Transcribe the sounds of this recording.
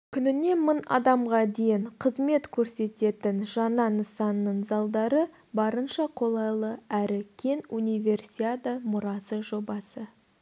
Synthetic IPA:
kʲʰʏnɪne̞mənɑ̰d̪ɑmʁɑd̪e̞jɪɴqʰəzme̞t̪kʲʰɵɾse̞t̪e̞t̪ɪnʒɑnɑnəsɑnːəɴzɑlˠd̪ɑɾə | bɑɾənʃɑqʰo̞lˠɑjlˠəæɾɪkʲʰe̞nunijvʲe̞rsiad̪amʊɾɑsəʒo̞bɑsə

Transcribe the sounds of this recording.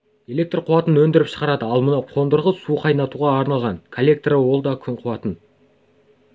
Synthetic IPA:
e̞le̞k̚t̪rqʰʊwɑt̪ənwɵnd̪ɪɾɪpʃə̥ʁɑɾɑd̪əɑlˠmənɑqʰo̞nd̪əɾʁəsuqʰɑjnɑt̪uʁɑːɾnɑlˠʁɑŋkʰolʲːe̞k̚t̪rəwo̞lˠd̪ɑkʲʰʏɴqʰʊwɑt̪ən

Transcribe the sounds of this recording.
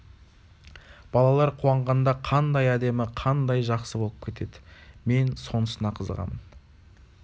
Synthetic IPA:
b̥ɑlˠɑlˠɑɾqʰuwɑɴʁɑnd̪ɑqʰɑnd̪ɑjæd̪e̞mɪqʰɑnd̪ɑjʒɑqsəbo̞lˠəp̚kʲʰe̞t̪ʰe̞d̪ɪme̞nso̞nəsənɑqʰəzə̰ʁɑ̰mən

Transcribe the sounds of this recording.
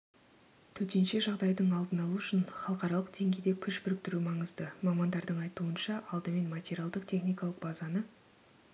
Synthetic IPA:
t̪ʰɵt̪e̞nʃe̞ʒɑʁd̪ɑjd̪əɴɑlˠd̪ənɑlˠuʏʃɪnχɑlˠəqɑɾɑlˠəq̚d̪e̞ŋɡʲejd̪e̞kʲʰʏʃbʏɾɪk̚t̪ɪɾumɑɴəzd̪əmɑmɑnd̪ɑɾd̪əɴɑjt̪uənʃɑʔɑlˠd̪əme̞nmat̪ʲeɾʲijalˠd̪əqt̪ʲʰe̞χnijkɑlˠəq̚bɑzɑnə

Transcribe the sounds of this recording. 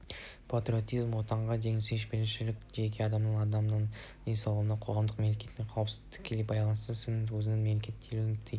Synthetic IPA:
pʰat̪ɾʲio̞t̪ijzmwo̞t̪ɑɴʁɑʒe̞ŋɪseʃbelɪʃɪlɪkʲʒekʲʰeɑd̪ɑmnənɑd̪ɑmnənd̪e̞nsɑlˠnɑqʰo̞ʁɑmd̪əqmemle̞kʲʰe̞t̪ːɪŋqʰɑwəpsɪzd̪ɪ̥k̚ʲʰelepbɑjlˠɑnəst̪əsʏnɪwɵzɪnenme̞mle̞kʲe̞t̪ʰːe̞luɪnt̪ʰej

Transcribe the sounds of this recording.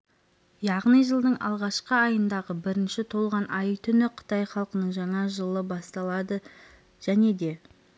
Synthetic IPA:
jɑʁnijʒəlˠd̪əɴɑ̰lˠʁɑʃqəɑjənd̪ɑʁəbɪɾɪnʃɪt̪ʰo̞lˠʁɑnʔɑjət̪ʰʏnɪqʰə̥t̪ɑjχɑlˠqənəɴʒɑɴɑʒəlˠəbɑst̪ɑlˠɑd̪ə | ʒ̥æne̞d̪e̞

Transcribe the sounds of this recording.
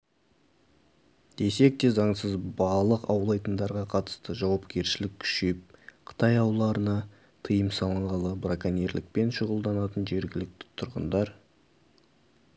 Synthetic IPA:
d̪̥e̞se̞k̚t̪e̞zɑɴsəzbɑlˠəqɑ̰wlˠɑjt̪ənd̪ɑɾʁɑqʰɑt̪ə̥st̪əʒɑwɑpkʲe̞ɾʃɪlɪkʲʰʏ̥ʃep̚qʰə̥t̪ɑjɑwlˠɑɾənɑ | t̪ʰəjəmsɑlˠəɴʁɑlˠəbrakaneɾlɪ̰k̚pe̞nʃʊʁəlˠd̪ɑnɑt̪ənʒe̞ɾɡʲɪlɪk̚t̪ɪ̥t̪ʰʊɾʁə̰nd̪ɑɾ

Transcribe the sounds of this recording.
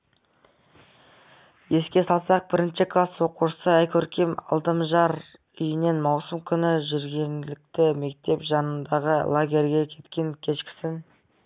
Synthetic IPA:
je̞skʲe̞sɑlˠsɑq̚bɪɾɪnʃɪkʰlˠaswo̞quʃə̥səæjkʲʰɵɾkʲemɑ̰lˠt̪əmʒɑɾ | ʏjɪne̞nmɑwsəmkʲʰʏnɪʒʏɾɡʲenɪlɪk̚t̪ɪme̞k̚t̪e̞pʒɑnənd̪ɑʁəlˠaɡʲe̞ɾʲɡʲe̞kʲʰe̞t̪kʲe̞ŋkʲʰe̞ʃkʲɪ̥sɪn

